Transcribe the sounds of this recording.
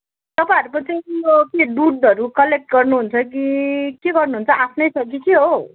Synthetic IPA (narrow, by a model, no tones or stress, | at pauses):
t̪ʌpãj̃ʌɾupʌt͡saokeɖuɖʌɾukʌlek̚ʈ̚ɡʌrnuɦunt͡sʰʌk̬ikeɡʌrnuɦunt͡sʰʌʔapʰnʌjsʰʌkikiɦo